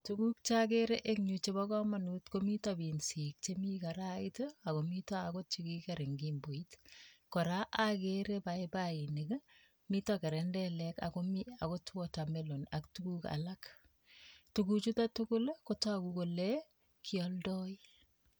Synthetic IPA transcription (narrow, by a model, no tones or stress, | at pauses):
tukuk̚t͡ʃakeɾeʔekɲut͡ʃebakɔmanutkomitabinsik̚t͡ʃemikaɾaitoakomitɔakot͡ʃikikeɾeŋɡimboitkɔɾaʔakeɾebaebainek | mitɔkeɾɛndɛlɛka̰komiakotʰuotamelona̰ktukuka̰lak | tukut͡ʃutatukʊlkotaakukole | kʰiɔldɔi